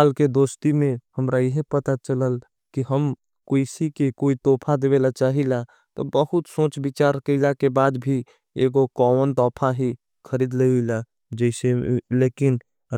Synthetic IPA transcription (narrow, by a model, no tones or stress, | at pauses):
aːlked̪oːst̪imẽhəmɾajəɦpət̪at͡ʃələl | kiɦəm | koɪsikekoːit̪oːpʰad̪eʋeːlat͡ʃaːɦila | t̪obəhʊt̪sõːt͡ʃbɪt͡ʃaːɾkəɪlakebaːd̪bʱi | eːɡokɔːʋənt̪ɔːpʰaɦi | kʰəɾiːd̪ləuila | d͡ʒɛɪseleːkɪn